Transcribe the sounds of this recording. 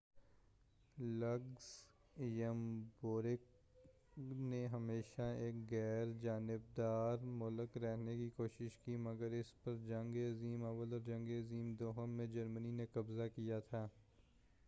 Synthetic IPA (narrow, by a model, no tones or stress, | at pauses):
lɐɡz | jəmboːɾɪk | neɦəmeːʃaeːkɣɛːɾd͡ʒaːnɪb̚d̪aːɾmʊləkɾɛɦnekikoːʃɪʃkimɐɡəɾɪspɐɾd͡ʒɐ̃ŋɡeɐziːmɐʋəlɔːɾd͡ʒɐ̃ŋɡeɐziːmd̪oːɦəmːẽd͡ʒɐɾməninekɐbzakijat̪ʰaː